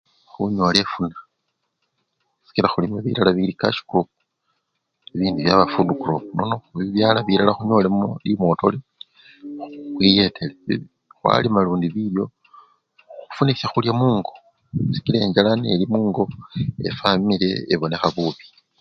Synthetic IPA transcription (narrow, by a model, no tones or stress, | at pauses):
xuɲwole̞funa | si̥kilaxulimoβḭlalaβilika̰ʃi̥ko | eβiːndiβjaβafudukulono̞noxuβiβjaːlaβiɾalaxuɲo̞lemolimwo̞ːto̞li | uxwije̞tʰelei | xwa̰limaluːndiβiljo̞ | xufunisaxuljamuːŋɡo̞ | si̥kileɲd͡ʒalanelimuːŋɡo̞ḛfamile̞ːβone̞xaβuβi̥